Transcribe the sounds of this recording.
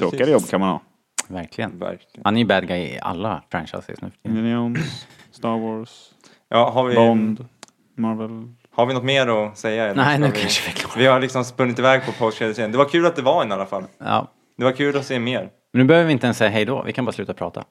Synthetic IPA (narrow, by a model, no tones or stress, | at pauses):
ɾoːkaəjɔbːkʰanmanhɑ̰ː | væɾklɪɡənvæ̰ɾklɪhanæjɵbɛd̪ɡaɪ̰a̰lːafɾɛ̰nʂa̰ɪsə̰snʉ̰ːfœ̥iɪɔn | st̪ɑwɔːɾs | jɑːɦaɾvɪbɔnd̪ | maɾvɛl | haɾvɪnɔt̪meːɾɔsɛjːaɛnɛɪnʉvkɪaʂəvəkʰloːvɪhaɾlɪksɔmspɵnːɪt̪ɪvɛːɡ̚pʰɔpʰaad̪ɪseːənd̪ɛvaɾkʰʉ̟ːlat̪̚d̪ɛvaɾɛnalːafalɑ̰ː | d̪ɛvaɾkʰʉːlɔseːmeːɾ | mɛnʉːbɛøːvəɾvɪɪnt̪əɛnsːɛjːaɦɛjd̪ɔ̰vɪ̰kʰanbɑːɾaslʉ̟ːt̪apʰɾɑ̰ːt̪ʰa̰